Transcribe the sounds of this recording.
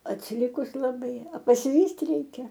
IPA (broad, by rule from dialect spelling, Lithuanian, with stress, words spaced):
ɐtʲsʲɪˈlʲɪkʊs lˠɐˈbɐɪ ɐ pɐsʲɪˈʋʲiːsʲtʲ ˈrʲɛɪkʲɛ